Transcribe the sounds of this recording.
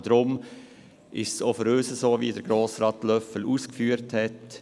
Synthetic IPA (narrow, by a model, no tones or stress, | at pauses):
d̥̪ɾʊm | ʔɪʃsofəɾøːsəsoːviːdəɾɡ̥ɾoːsɾɑt̪lœfəluːskfyːəɾthɛt